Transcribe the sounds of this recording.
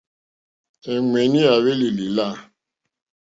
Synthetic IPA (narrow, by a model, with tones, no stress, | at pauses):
e˨ŋʷe˨ni˦a˨βe˦li˨li˨la˦˨